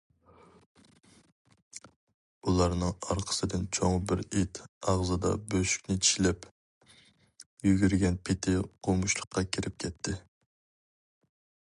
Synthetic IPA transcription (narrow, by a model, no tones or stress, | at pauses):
ulˠɑɾnɨŋɑɾqʰə̥sɨd̪ɪnt͡ʃʰoŋbɪɾit̪ɑʁzɨd̪ɑ̰bøʃy̥kʲnɪt͡ʃʰi̥ʃlɛp | jyɡʲyɾɡʲɛnpʰɪt̪ʰɪqʰomʊʃlˠəqːɑkʲʰiɾʔɪp̚kʲʰɛt̪ʰːɪ